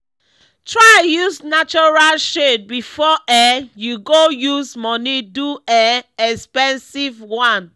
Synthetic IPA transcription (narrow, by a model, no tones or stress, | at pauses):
tʰɹajuznat͡ʃɔɹalʃed̚bifɔʔɛjuɡojuzmɔniduɛɛkspɛ̃nsivwãn